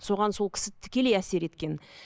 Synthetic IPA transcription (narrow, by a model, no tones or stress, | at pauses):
so̞ʁɑnso̞lˠkʲɪ̥sɪt̪ʰɪ̥kʲe̞le̞jæse̞ɾe̞t̪kʲe̞n